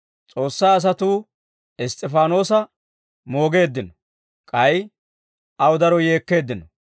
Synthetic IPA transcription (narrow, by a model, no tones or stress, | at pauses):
t͡sʼo̞ːsːaːɐs̬ɐt̪uː | ɪst̪ʼɛfaːno̞ːsɐ | mo̞ːɡe̞ːd̪ːɪnɔ | kʼɐj | ʔɐwʊd̪ɐɾɔje̞ːkːe̞ːd̪ːɪnɔ